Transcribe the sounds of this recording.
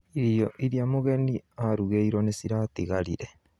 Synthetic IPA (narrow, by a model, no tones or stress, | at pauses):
iɾioʔiɾiamoɣeniaɾuɣeiɾonesiɾatiɣaɾḭɾe